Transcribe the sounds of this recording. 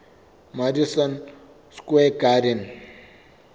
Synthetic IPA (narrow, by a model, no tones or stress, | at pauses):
maɾisɐn | skwekaɾin